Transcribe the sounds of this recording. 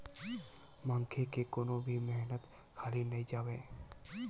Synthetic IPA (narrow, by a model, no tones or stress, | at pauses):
mãŋkʰekekoːnobʱimɛɦnət̪ | kʰaːlinɐɦĩd͡ʒaːweː